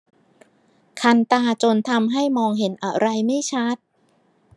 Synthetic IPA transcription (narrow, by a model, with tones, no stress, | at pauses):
kʰa˧nt̪aː˧t͡ɕo˧nt̪ʰa˧mɦa˥˩jmɔː˧ŋɦe˩˦nʔa˧˩ɾa˧jma˥˩jt͡ɕʰa˦˥˩t̪̚